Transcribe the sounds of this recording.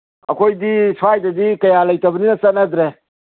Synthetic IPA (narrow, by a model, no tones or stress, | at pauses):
ɐ̰koid̪isfaːjt̪ɐd̪ikɐjaːlɐjt̪ɐbninɐsɐnɐd̪ɾe